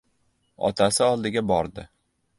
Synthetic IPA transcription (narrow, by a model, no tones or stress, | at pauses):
ɒ̰t̪ʰasɪɒlˠd̪ɪɡʲabɒɾd̪ɪ